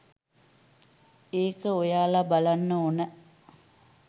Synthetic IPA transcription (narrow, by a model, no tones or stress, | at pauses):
eːkəojaːlabalanːəonə